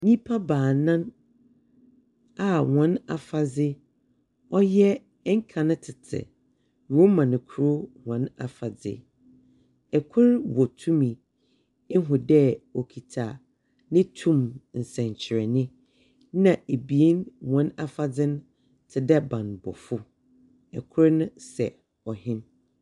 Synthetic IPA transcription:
ɲĩ˦pʰa˦baː˨nã˦n | a˨wɔ̃˨˦na˨fa˨d͡zɪ˦ | ɔ˦jɛ˦ | ŋ̩˦kʰa˨nɪ̃˦tʰɪ˨tʰɪ̰˨ | wo˦mã˨nɪ̃˨kʰu˦ɾʊ˦hɔ̃˨˦na˨fa˨d͡zɪ̰˦ | ɛ˨kʷʰʊ˦ɾwɔ˨tʰũ˦mĩ˨ | ɪ̃˦ɦʊ̃˨dɛ˦ɔ˨kʰi˨tʰa˨ | nɪ̃˦tʰũ˦˨mn̩˨sɛ̃˨ɲ˨t͡ɕʰɪ˨ɾɛ˨nɪ̃˦ | nã˨e˨bi˨e˦nwɔ̃˨˦na˨fa˦d͡zɪ̃˦n | tʰɪ˨dɛ˦bã˨nbɔ̰˨fʊ˦ | ɛ˨kʰʊ˦ɾnʊ̃˦sɛ̰˨ | ɔ˨hɪ̃˦n

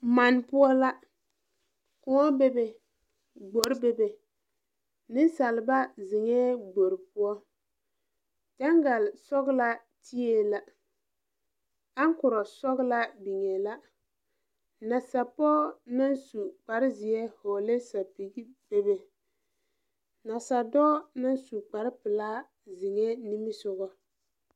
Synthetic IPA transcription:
ma˨npʊ˦ɔ˦la˦ | kʊ˨ɔ˦be˦be˦ | ɡ͡bo˨˦ɾbe˦be˨ | nɪ˦sa˨lba˦zɪ˨ŋɛː˦ɡ͡bo˨ɾpʊ˦ɔ˦ | d͡ʒa˦ŋɡa˨lsɔ˦ɡla˦ | ti˦e˦la˦ | a˦ŋ˦kʊ˨ɾɔ˨sɔ˦ɣla˦bi˨ŋɛ˨la˦ | na˨sa˨pɔː˦na˦nsu˨k͡pa˨ɾɪ˦zi˨ɛ˦hɔː˨le˦sa˨pi˨ɡi˦pe˦be˨ | na˨sa˨dɔː˦na˦nsu˨k͡pa˨ɾɪ˦pɪ˨laː˦ | zɪ˨ŋɛ˦ni˦mi˦sʊ˨ɣɔ˦

